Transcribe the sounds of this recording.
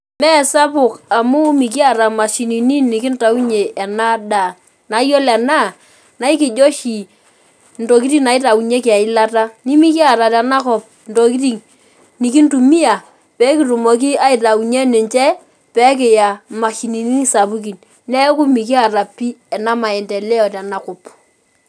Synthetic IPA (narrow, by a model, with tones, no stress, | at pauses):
mɛ˦sa˦pʊ˨ka˨mʊ˦mi˨k̬i˦a˨ɾa˨ma˨ʃi˨ni˨ni˦i˨ki˦n̩˦ta˨u˦ɲeː˨na˦da˨ | na˨˦jo˦lɛ˨na˦˨ | na˨˦i˦kɪ˨d͡ʒo˦ʃi˨ | n̩˨to˨k̬i˦ti˦na˨ɪ˦ta˨u˨ɲe˦kɪ˨a˨ɪ˦la˦ta˦ni˦mi˦ki˦a˨ɾa˨tɛ˨na˦kɔ˨p̚ | n̩˨to˨k̬i˦ti˨ŋ | ni˨ki˦n˦tu˨mi˦a˨ | pɛ˨˦k̬ɪ˨tu˨mo˨k̬i˦a˦ɪ˨ta˨u˨ɲe˦nɪ˨nt͡ʃɛ˦ | pɛ˨˦k̬ɪ˨ja˨ma˨ʃi˨ni˨ni˦ŋ˦sa˨bu˦k̬i˨n | nɛ˦kʊ˦mi˨k̬i˦a˨ɾa˨pi˦ɛ˨na˦ma˨ɛ˨ntɛ˨lɛ˦ɔ˨tɛ˨na˦kʊ˨p